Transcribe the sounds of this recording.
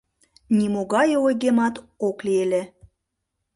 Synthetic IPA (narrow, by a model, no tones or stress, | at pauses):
nʲimoɣɑjɤojɣemɑt̪oklielʲĕ